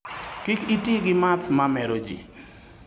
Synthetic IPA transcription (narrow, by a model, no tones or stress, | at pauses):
kikitiɡɪmat̪ʰmamɛɾod͡ʒḭ